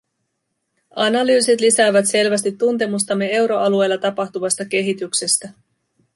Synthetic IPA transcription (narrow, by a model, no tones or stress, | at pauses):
ɑnɑlyːset̪lisæːʋæt̪se̞lʋæst̪it̪ːunt̪e̞must̪ɑmːe̞e̞wɾo̞ʔɑlue̞jlːɑt̪ɑpɑxt̪uʋɑst̪ɑk̟e̞ɦit̪ykse̞st̪æ